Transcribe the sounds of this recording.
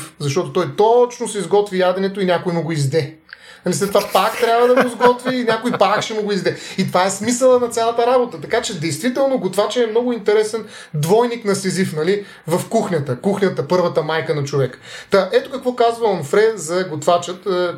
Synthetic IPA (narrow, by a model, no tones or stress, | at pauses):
fzɐʃt̪ɔt̪ot̪ɔjt̪ɔt͡ʃnosɛizɡɔt̪vijad̪ɛnɛt̪oinʲakʊjmoɡoizd̪ɛ | nɐlislɛt̪ːovapakt̪ɾʲjabvəd̪ɐɡʊizɡɔt̪viːnʲakojpakʃɛmoɡʊizd̪ɛit̪vaɛsmisəlˠənɐt̪sʲalˠɐt̪əɾabot̪ət̪ɐkat͡ʃɛd̪ɛjst̪vit̪ɛlˠnoɡot̪vat͡ʃɛːmnɔɡʊint̪ɛɾɛsɛn | d̪vɔjniknɐsɛzifnɐli | vɐfkuxnʲət̪əkuxnʲət̪əpɤɾvət̪əmajkənɐt͡ʃovɛkə̥t̪aʔɛt̪okɐkvɔkazvəɐnfɾɛzɐɡot̪vat͡ʃət̪ː